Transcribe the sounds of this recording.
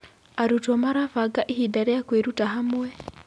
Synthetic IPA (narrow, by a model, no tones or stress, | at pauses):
aɾutɔmaɾavaɡaʔihidaɾɛjakweɾutaɦamwɛ